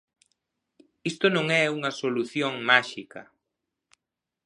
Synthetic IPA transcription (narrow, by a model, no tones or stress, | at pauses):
ist̪onõŋɛuŋɐsoluθjoŋmaʃikɐ̰